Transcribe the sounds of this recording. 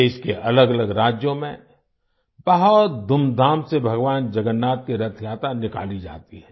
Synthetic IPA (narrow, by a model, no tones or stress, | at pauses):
eːʃkeʔɐləɡɐləɡɾaːd͡ʒjõmḛ̃ | bɐɦɔt̪̚d̪ʊmd̪ʱaːmsebʱɐɡʋaːnd͡ʒɐɡənːaːt̪̚kiɾɐt̪ʰjaːt̪anɪka̰ːlid͡ʒa̰ːt̪iɦɛː